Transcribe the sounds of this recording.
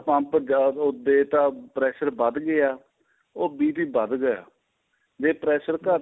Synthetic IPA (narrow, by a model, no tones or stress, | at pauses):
pãmpəd͡ʒaʊd̪eːt̪ãːpɾɛːʃəɾbəd̪ɡəjaː | oːbiːt̪iːbəd̪ɡəja̰ː | d͡ʒeːpɾɛːʃəɾkə